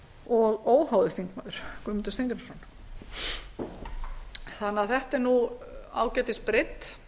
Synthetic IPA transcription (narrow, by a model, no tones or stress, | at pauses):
ɔɣoːwhaːwðɪθiŋkmaːðʏɾ̥kʏmɪnt̪ɪ̥st̪ejnt̪ɪpʰɛ̥ɾsɔːn | θanːaθɛht̪ɛɾnua̰ːwcɛːt̪ɪspɾɪt̪